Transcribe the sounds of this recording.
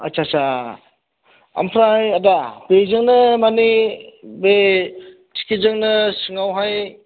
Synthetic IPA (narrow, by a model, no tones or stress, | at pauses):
a̰t͡ʃat͡ʃa | ɐ̰mpʰɾajadapezɯŋnɯmanibe | tʰi̥kʰizɯŋnɯsɯŋawɦaj